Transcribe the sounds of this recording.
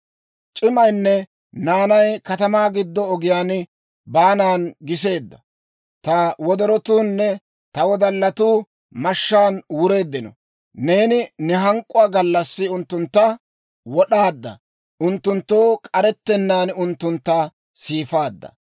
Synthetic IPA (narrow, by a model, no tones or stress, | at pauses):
t͡ʃʼɪmɐjnːɛ | naːnɐjkɐt̪ɐmaːɡɪd̪ːɔːɡɪjaːn | baːnaːnɡɪs̬e̞ːd̪ːɐ | t̪ɐwɔd̪ɔɾɔt̪uːnːɛ | t̪ɐwɔd̪ɐlːɐt̪uː | mɐʃːaːnwʊɾe̞ːd̪ːɪnɔ̰ | ne̞ːnɪnɛɦɐŋkʼːʊwaːɡɐlːɐsːɪʊnt̪ːʊnt̪ːɐ | wɔɗaːd̪ːɐ̰ | ʔʊnt̪ːʊnt̪ːoːkʼɐɾɛt̪ːɛnːaːnʊnt̪ːʊnt̪ːa | siːfaːd̪ːɐ̰